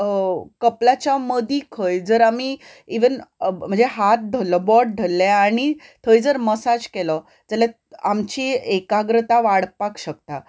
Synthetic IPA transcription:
kəplat͡ɕaməd̪iːkʰəjd͡zəɾami | iʋənm̤əɳd͡zeɦat̪̚d̪ʱəlːɔbɔʈ̚ɖ̪ʱəlːɛaɽ̃it̪ʰəjd͡zəɾməsad͡zkɛlɔ | d͡zəla | amt͡ɕiːekaɡɾət̪aʋaɽpakɕək̚t̪a

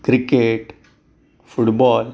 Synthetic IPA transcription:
kɾɪkeʈ | fʊʈbɔːl

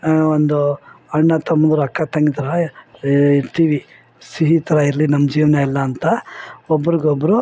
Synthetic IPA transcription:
ond̪uɐɳːɐt̪ɐmːɐnd̪ɐɾuɐkːat̪ɐŋɡit̪ɐɾɐ | it̪iʋi | siɦit̪ɐɾɐiɾlinɐmːɐd͡ʒiːʋɐnɐɛlːɐːnt̪ɐɔbːɐɾiɡobːɐɾu

